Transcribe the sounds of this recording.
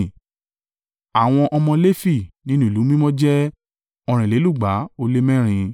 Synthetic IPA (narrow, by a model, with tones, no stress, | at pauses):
a˨w̃ɔ̃˧ʔɔ˧mɔ̃˧le˦fi˦˨nĩ˦nũ˦i˨lu˨˦mĩ˦mɔ̃˦d͡ʒɛ˦ | ɔ˧˨ɾ̃ĩ˨le˨˦lu˦˨ɡ͡ba˨˦o˧le˦mɛ̃˦ɾ̃ĩ˧